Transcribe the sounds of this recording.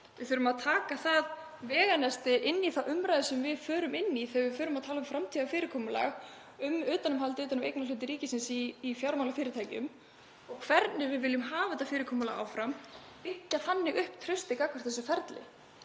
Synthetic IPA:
vɪðθʏːɾʏmaðt̪ʰaːkaθað | vɛːɣanɛst̪ɪʔɪnːiθaʔʏmɾajðsɛmvɪðfœːɾʏmɪnːiθɛɣvɪfœːɾʏmaðt̪ʰaːlaʏmfɾamt̪ʰiðafɪːɾɪkʰɔːmʏla̰ɣ | ʏmʏːt̪anʏmɦalt̪ɪʏːt̪anʏmejknalʏt̪ɪɾiːcɪsɪnsiːfjawɾmawlafɪːɾɪt̪ʰaːjcʏ̰m | ɔɣkʰv̥ɛɾt̪nɪvɪðvɪljʏmɦaːvaɛt̪afɪːɾɪkʰɔːmʏla̰ɣa̰wfɾam | pɪhcːaθanːɪɣʏhpt̪ʰɾœɥst̪ɪkakvʏ̥t̪θɛsʏfɛɾt̪lɪ̰

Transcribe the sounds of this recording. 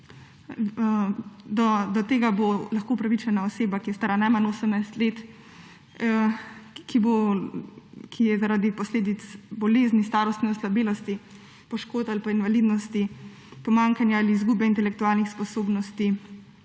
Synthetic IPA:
d̪ɔd̪ɔt̪eːɡabolaxkoupɾaʋit͡ʃɛnaɔseːbakijɛst̪aːɾanajmanoːsəmnajst̪leːt̪ | kʰibo | kʰijɛzaɾaːd̪ipɔsleːd̪it̪sbɔleːznist̪aːɾɔst̪nɛɔslabeːlɔst̪i | pɔʃkoːt̪alipainʋalid̪nɔst̪i | pɔmaŋkanjaaliːzɡuːbɛint̪ɛlɛkt̪uaːlnixspɔsoːbnɔst̪i

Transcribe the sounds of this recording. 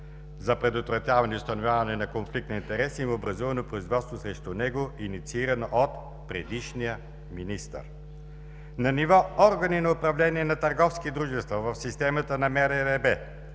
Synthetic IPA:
zɐpɾɛd̪ot̪vɾɐt̪ʲjavɐniʊst̪ɐnovʲjavɐnɛnɐkonflik̚t̪nɐint̪ɛɾɛsimobɾɐzuvɐnopɾʊizvɔt̪st̪vosɾɛʃt̪unɛɡoinit̪siiɾɐnoʔot̪ | pɾɛd̪iʃnijə | minist̪ə̰ɾ | nɐnivɔɔɾɡɐninɐʊpɾɐvlɛniɛnɐt̪ɐɾɡɔfskid̪ɾuʒɛst̪vəvɐfsist̪ɛmət̪ənɐmɛɾɛɾɛbɛ

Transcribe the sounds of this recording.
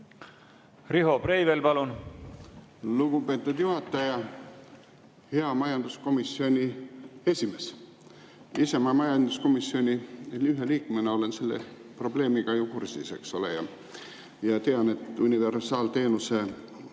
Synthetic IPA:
riɦo̞prejvelpɑlun | luɡupe̞ːt̪ːˑud̪̥juɦɑt̪ːˑɑjɑ | he̞ɑmɑjɑnd̪̥usko̞misːio̞nʲie̞sʲime̞s | ise̞mɑmɑjɑnd̪̥usko̞misːio̞nʲilyɦe̞liːkːmeneo̞le̞nselːepro̞ble̞ːmiɡɑjukursise̞ksolḛjɑ̰ | jɑt̪e̞ɑne̞t̪unʲive̞rsɑːlt̪e̞ːnuse̞

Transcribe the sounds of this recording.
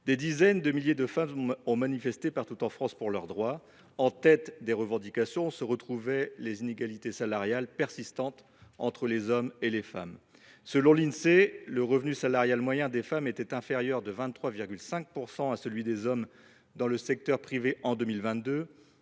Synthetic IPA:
d̪ed̪izɛnd̪əmiljed̪əfamɔ̃manifɛst̪epaʁt̪ut̪ɑ̃fχɑ̃spuʁlœʁd̪ʁwa | ɑ̃t̪ɛt̪d̪eʁəvɑ̃d̪ikasjɔ̃səʁət̪χuvɛlezineɡalit̪esalaʁjalpɛʁsist̪ɑ̃t̪ | ɑ̰̃t̪χəlezɔmelefamsəlɔ̃linseləʁəvnysalaʁjalmwajɛ̃d̪efamet̪ɛt̪ɛ̃feʁjœʁd̪əvɛ̃t̪ːχwaviʁɡʲylsɛ̃k̚puʁsɑ̃asəlɥid̪ezɔm | d̪ɑ̃ləsɛk̚t̪œʁpχiveʔɑ̃d̪ømilvɛ̃t̪̚d̪ø

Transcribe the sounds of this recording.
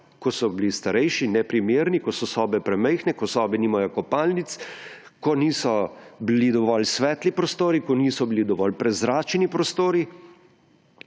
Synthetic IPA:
kɔsɔblist̪aɾɛjʃinɛpɾimeːɾnikɔsɔsɔːbɛpɾɛmɛjxnɛkɔsɔːbɛnimajɔkɔpaːlnit̪s | kɔniːsɔbilid̪ɔʋɔlsʋɛːt̪lipɾɔst̪oːɾikɔniːsɔbilid̪ɔʋɔlpɾɛzɾaːt͡ʃnipɾɔst̪oːɾi

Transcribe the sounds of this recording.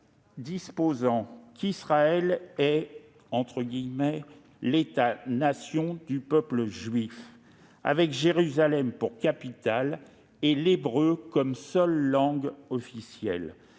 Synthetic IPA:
d̪ispozɑ̃kisχaɛlɛ | ɑ̃t̪χəɡʲimɛ | let̪anasjɔ̃d̪ypœpləʒɥif | a̰vɛkʒeʁyzalɛmpuʁkapit̪al | elebʁøkɔmsœlːɑ̃ɡɔfisjɛ̰l

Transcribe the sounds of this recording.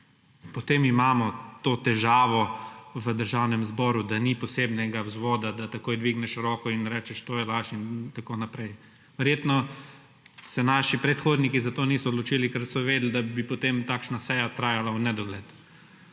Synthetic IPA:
pɔt̪eːmimaːmɔt̪oːt̪ɛʒaːʋɔʋəd̪əɾʒawnɛmzbɔːɾud̪anipɔseːbnɛɡawzʋɔːd̪ad̪at̪akoːjd̪ʋiɡnɛʃɾɔːkɔinɾɛːt͡ʃɛʃt̪oːjɛlaːʃint̪akonapɾɛj | ʋɛɾjeːt̪nɔ | sɛnaːʃipɾɛt̪xoːd̪nikizat̪oːniːsɔːd̪lɔt͡ʃiːlikɛɾsɔʋeːd̪ld̪abipɔt̪emt̪aːkʃnasɛjat̪ɾaːjalawnɛd̪ɔɡlɛt̪

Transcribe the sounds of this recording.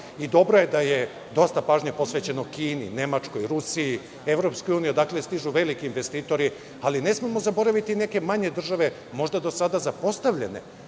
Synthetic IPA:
id̪o̞bɾo̞je̞d̪aje̞ | d̪o̞st̪apaːʒɲepo̞sʋe̞t͡ɕe̞nokiːnḭne̞mat͡ʂko̞jɾusii | eʋɾo̞pskojuːnijod̪akle̞st̪iʒuʋe̞likiːnʋest̪iːt̪o̞ɾi | aline̞smimo̞zabo̞ɾaʋit̪ine̞ke̞maɲe̞d̪r̩ʒaʋe̞ | mo̞ʒd̪ad̪osad̪azapo̞st̪aʋʎḛne̞̰

